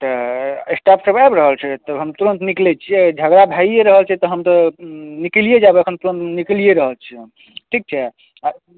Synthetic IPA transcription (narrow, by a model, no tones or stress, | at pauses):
t̪ɔesʈapsəbabɾəɦəlt͡ʃʰɛt̪əbɦəmt̪uɾənt̪niklɛt͡ʃʰied͡ʒʱəɡɾabʱaijeɾəɦəlt͡ʃʰɛt̪ɔɦəmt̪əniklijed͡ʒabeəkʰənt̪uɾənt̪niklijeɾəɦəlt͡ʃʰɛm | ʈʰik̚t͡ʃʰɛ